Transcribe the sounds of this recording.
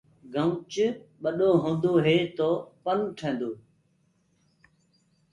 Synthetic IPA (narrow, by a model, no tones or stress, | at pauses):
ɡʱəʊt͡ʃɓəɗoːɦõːnd̪oːɦeːt̪oːpənʈʰẽːnd̪oː